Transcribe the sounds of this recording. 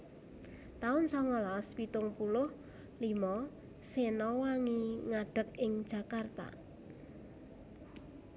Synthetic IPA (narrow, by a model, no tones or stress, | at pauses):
t̪aʊnsɔŋɔlɔspit̪ʊŋpulʊh | limɔ | senɔwaŋiŋaɖ̥ə̤k̚ɪŋ̥ʒ̥a̤kart̪a̰